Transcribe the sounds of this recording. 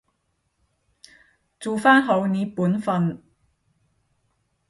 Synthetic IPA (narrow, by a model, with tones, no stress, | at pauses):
t͡suː˨faː˥nɦo˨˧wni˨˥puː˨˥nfɐ˨˧n